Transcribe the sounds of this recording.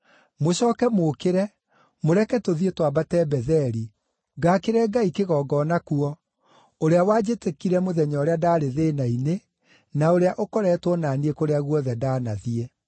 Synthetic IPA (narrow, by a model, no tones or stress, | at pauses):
moɕɔːkɛmokeɾɛ | moɾɛkɛtoðietwabatɛbɛðɛɾi | ɡaːkeɾɛɡaikeɣɔɡɔːnakuɔ | oɾeawad͡ʑetekiɾɛmoðɛɲɔoɾeadaːɾeðenaine | naoɾeaʔokɔɾɛtwɔnaːniekoɾeaɣuɔðɛdaːnaðiɛ